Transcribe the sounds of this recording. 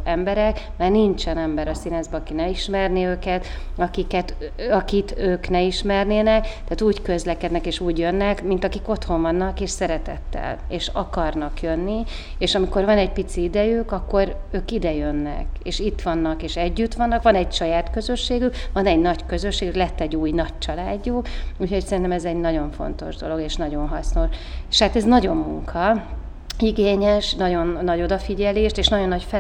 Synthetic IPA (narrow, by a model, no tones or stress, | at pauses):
ɛmbɛɾɛkmaːrnint͡ʃɛnɛmbɛɾɒsinɛzbɛːkinɛiʃmɛrniøːkɛt̪ɒkikɛt̪ɒkit̪øːknɛiʃmɛrneːnɛkt̪aːt̪uːckø̞zlɛkɛd̪nɛkeːʃuːɟjø̞nːɛkmint̪ɒkiko̞t̪ho̞ɱvɒnːɒkeːʃsɛɾɛt̪ɛ̰t̪ːɛ̰l | ḛːʃɒkɒrnɒkjønːi | eːʃɒmiko̞rvɒnɛɟpit̪siid̪ɛjykɒkːo̞ɾøːkid̪ɛjønːɛ̰kḛːʃit̪ːʋɒnːɒkeːʃɛɟːyt̪ʋɒnːɒkʋɒnɛɟʃɒjaːt̪kø̞zøʃːeːɡyʋɒnɛɟnɒɟkø̞zøʃeːɡyklɛt̪ːɛɟːuːjnɒc̚t͡ʃɒlaːɟːoːuːcho̞csɛɾint̪ɛmɛzɛɟnɒɟo̞ɱfo̞̰nt̪o̞̰ʒd̪o̞lo̞ɡeːʃnɒɟo̞nɦɒsno̞ʃeʃhaːt̪ɛznɒɟo̞mːuŋkʰɒ | iɡeːɲɛʃnɒɟo̞nːɒɟo̞d̪ɒfiɟɛleːʃt̪eːʃnɒɟo̞nːɒcfɛ